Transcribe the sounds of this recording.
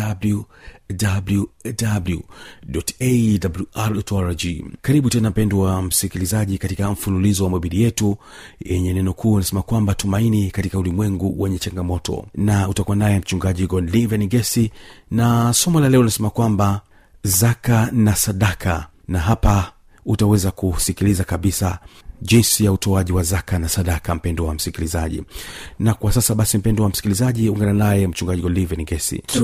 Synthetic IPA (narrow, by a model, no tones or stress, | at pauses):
abludabludabludɔtedabluaɾdɔtɔaɾad͡ʒikaɾiɓutɛnam̩pɛnduwam̩sikilizaʄikatikam̩fululizɔwamɔɓilijɛtu | jɛɲɛnɛnɔkʰuːnasɛmakwambatumainikatikaulimwɛŋɡuwɛɲɛt͡ʃaŋɡamɔtɔ̰nautakuandajam̩t͡ʃuŋɡaʄiɡɔnlivɛniɡɛsinasɔmɔlalɛɔlinasɛmakwamba | zakanasaɗakʰa | naɦapa | utawɛzakusikilizakaɓisa̰ʄinsijautɔaʄiwazakanasaɗakam̩pɛndɔwam̩sikilizaʄḭnakwasasaɓasim̩pɛndɔwam̩si̥kilizaʄiuŋɡananajɛm̩t͡ʃuŋɡaʄiɡɔlivɛniŋɡɛsḭ